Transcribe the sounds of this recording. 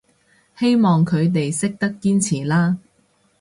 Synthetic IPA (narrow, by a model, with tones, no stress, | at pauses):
he˥jmɔː˨˩ŋkʰɵ˨˧ɥt̪e˨jsɪ˥k̚t̪ɐ˥kːiː˥nt͡sʰiː˨˩laː˥